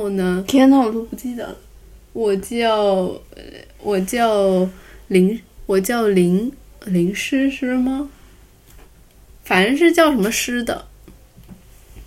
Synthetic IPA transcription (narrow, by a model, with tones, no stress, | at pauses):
xo˥˩ʊnə˩k̪ʰɛ˥t̪ɑ˥˧ʊlu˥˩pu˧˥t͡ɕi˥˩d̪ə̰˨˩ | wɔ˨˩t͡ɕjɑ˥˩˧ʊ | wʔɔ˨˩t͡ɕjɑ˥˩ʊli˧˥ŋwɔ˨˩t͡ɕjɑ˥˩ʊli˧˥ŋli˧˥ŋʂɻ̩˥ʂɻ̩˥˩˥mɐ˩ | fa˨˩n˥ʂ̬ɻ̩˥˧t͡ɕjɑ˥˩ʊʂə˧˥nmə˧ʂɻ̩˥d̪ə̰˨